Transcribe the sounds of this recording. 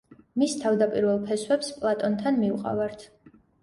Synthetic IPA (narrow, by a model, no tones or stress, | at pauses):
mist̪ʰavd̪apʼiɾvɛlˠpʰɛswɛpspʼlˠat̪ʼɔnt̪ʰanmiuqʼa̰vaɾt̪ʰ